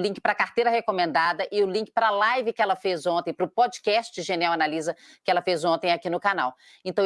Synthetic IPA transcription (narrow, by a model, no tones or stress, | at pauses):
lĩkɪ̥pɾɐkaɾt̪ejɾɐhekomẽnd̪ad̪ɐʔɪʊlĩŋkɪ̥pɾɐlajvɪkɪɛlɐfezõnt̪ẽj̃pɾʊpɔd͡ʒikɛst͡ʃɪʒeniawanalizɐ | kɪɛlɐfezõnt̪ẽj̃akinʊkana̰w | ẽnt̪ɐ̃w̃